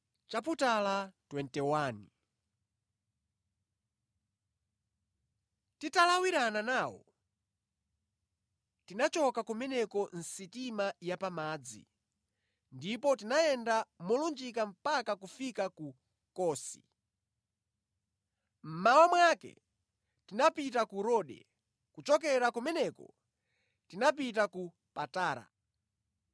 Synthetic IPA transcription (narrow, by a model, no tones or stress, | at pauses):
t͡ʃap̬utalatwɛntɛwaːni | titalawiɾananaːwɔ̰ | tinat͡ʃɔkakumɛnɛkɔn̩sitimajapamaːd͡zḭ | ndipɔtinaɛndamɔlund͡ʒikam̩pakakufikaku | kɔːsḭ | m̩mawamwakɛ̰ | tinapitakuɾɔːɗɛ̰ | kut͡ʃɔkɛɾakumɛnɛkɔ̰ | tinap̬itaku | pataːɾa̰